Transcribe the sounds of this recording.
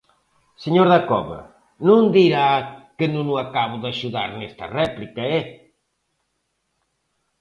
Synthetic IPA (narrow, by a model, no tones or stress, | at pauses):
seɲoɾðakɔβɐ̰ | nũnd̪iɾakenunʊakaβʊðaʃuða̰ɾnɛst̪ɐ̰rɛplikɐɛ